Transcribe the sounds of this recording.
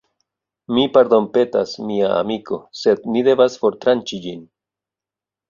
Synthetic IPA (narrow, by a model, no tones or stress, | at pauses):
mipaɾd̪o̞mpe̞tasmiaa̰miko̞se̞d̪̚nide̞vasfo̞ɾt̪ɾant͡ʃid͡ʒin